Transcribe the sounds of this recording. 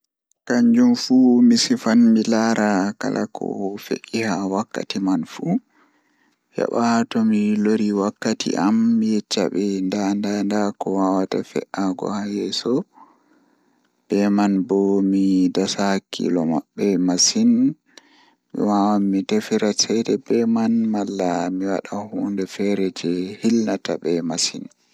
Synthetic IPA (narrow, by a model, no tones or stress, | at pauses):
kaɲd͡ʒumfumisifanmilaɾaka̰lʔa̰kʰɔ̰fḛʔihawakːa̰timanfu | ja̰ɓahatɔmiloɾiwakːatʰḭʔamːijɛt͡ʃːa̰ɓɛndandandakɔwawatafɛ̰ʔaɡɔ̰hajɛsɔ | b̥ɛmanbɔmidasakʰḭlɔma̰ɓːɛmasin | mḭwawamːitefiɾasɛdɛbɛmanmalːamiwa̰ɗahuːndɛfɛɾɛd͡ʒɛhilnata̰bɛmasin